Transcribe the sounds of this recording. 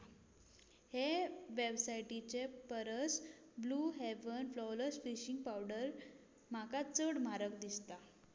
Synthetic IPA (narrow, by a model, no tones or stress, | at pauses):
heʋebsajʈit͡ɕepəɾəs | bluɦeʋənflɔləsfiɕiŋɡ̚pawɖəɾ | m̤akat͡səɽmaɾək̚d̪ist̪a